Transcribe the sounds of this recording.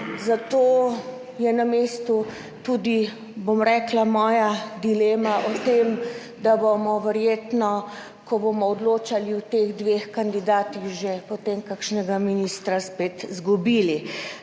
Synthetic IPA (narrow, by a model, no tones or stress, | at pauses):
zat̪oː | jɛnameːst̪u | t̪uːd̪i | bomɾɛːklamɔːjad̪ileːmaʔɔt̪em | d̪abomɔʋɛɾjeːt̪nɔ | kɔbomɔːd̪loːt͡ʃaliwt̪eɣd̪ʋexkand̪id̪aːt̪iɣʒepɔt̪emkakʃnɛɡaminist̪ɾaspet̪zɡubiːli